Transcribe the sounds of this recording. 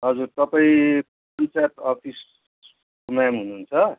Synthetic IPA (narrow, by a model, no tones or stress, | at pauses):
ɦʌd͡zurt̪ʌpaĩp | ʌnt͡saʈ̪ɔpʰis | kumamɦunuːnt͡sʰʌ